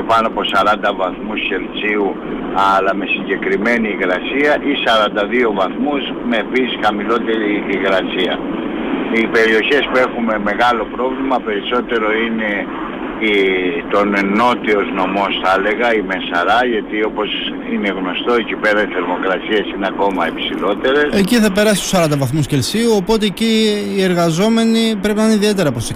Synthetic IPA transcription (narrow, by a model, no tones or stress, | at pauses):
pɐnoɐpo̞sɐɾɐnd̪ɐvɐθmusçe̞lt͡siu | ɐlɐme̞siɲɟe̞kɾime̞niːɣɾɐsiɐʔisɐɾɐnd̪ɐðio̞vɐθmus | me̞ːpisisxɐmilo̞t̪e̞ɾiːɣɾɐsiɐ | ipe̞ɾioçe̞spue̞xume̞me̞ɣɐlo̞pɾo̞vlimɐpe̞ɾiso̞t̪e̞ɾo̞ine̞ | it̪o̞nno̞t̪io̞zno̞mo̞sθɐle̞ɣɐimesɐɾɐʝɐt̪io̞po̞s | ine̞ɣno̞st̪o̞icipe̞ɾɐt̪isθeɾmo̞kɾɐsiɐsineɐko̞mɐepsilo̞t̪e̞ɾe̞seciθɐpe̞ɾɐsi̥st̪o̥sɐɾɐnd̪ɐvɐθmuscelsiuopo̞t̪e̞ːciːe̞ɾɣɐzo̞me̞nipɾe̞pinɐineiðie̞t̪̬e̞ɾɐposi